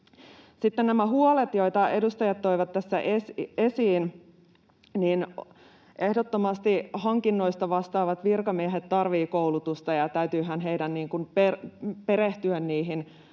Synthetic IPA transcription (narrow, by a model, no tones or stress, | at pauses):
sit̪ːennæmæɦuolet̪jo̞it̪ɑe̞dust̪ɑjɑt̪t̪ːoiʋɑt̪tːæsːæʔesesiːn | niːn | ʔe̞hdot̪ːomɑst̪ihɑŋkinːo̞ist̪ɑʋɑst̪ɑːʋɑt̪ʋirkɑmieɦet̪tɑrʋiːkowlut̪ust̪ɑjɑt̪æyt̪yːɦænɦeidænniːŋkunperpe̞ɾeht̪yønːiːɦin